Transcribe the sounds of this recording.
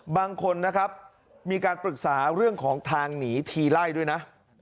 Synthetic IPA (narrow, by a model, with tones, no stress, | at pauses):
baː˧ŋkʰo˧nːa˦˥kʰa˦˥p̚ | miː˧kaː˧npɾɯ˨˩k̚saː˩˦ɾɯ˥˩əŋkʰɔː˩˦ŋt̪ʰaː˧ŋniː˩˦t̪ʰiː˧la˥˩jdu˥˩əjna˦˥ʔ